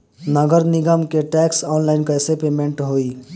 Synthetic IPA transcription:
nəɡəɾniɡəmkeʈɛksɔnlaɪnkəsepemeɳʈɦoi

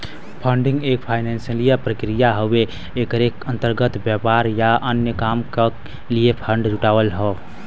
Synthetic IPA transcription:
pʰəɳɖĩŋɡek̚pʰajnensəlijapɾəkɾijaɦobeː | kəɾekənt̪əɾɡət̪bjapaɾjaʔənjəkamke | lijepʰəɳɖd͡ʒuʈabəlɦɔ

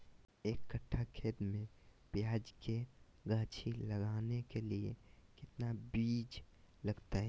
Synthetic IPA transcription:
eːkːəʈʰːakʰeːd̪mẽpɪjaːd͡ʒke | ɡaːt͡ʃʰilɐɡaːnekeliekɪt̪nabiːd͡ʒ | lɐɡt̪aɦɛ

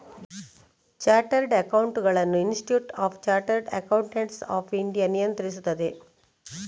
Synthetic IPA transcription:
t͡ʃaːɾʈəɾɖɐkawuɳʈɡɐɭɐnːuinsʈʈjuːʈaːfʰt͡ʃaːɾʈəɾɖɐ̰kawuɳʈeɳʈsa̰ːfiɳɖijanijɐnt̪ɾis̬ut̪ːɐd̪e

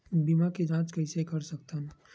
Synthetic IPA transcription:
biːmaked͡ʒãːt͡ʃkəɪsekɐɾsɐk̚t̪ən

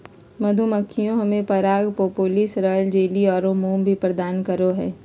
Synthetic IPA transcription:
mɐd̪ʱuməkʰːijõɦɐmẽpɐɾaːɡpoːpoːlɪsɾəːld͡ʒeːliɔːɾõmuːmbʱipɾɐd̪aːnkɐɾoɦɛ̰ː

